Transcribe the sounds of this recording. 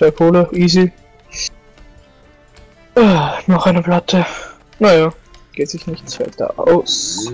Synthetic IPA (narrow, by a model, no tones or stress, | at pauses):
v̥aɪkʰoːləʔiːzi | ʔɛːnɔχaɪnəplatʰə | najaː | ɡ̥eːtz̥ɪçnɪçtt͡sv̥a̰ɪtɐ̰ʔa̰ʊs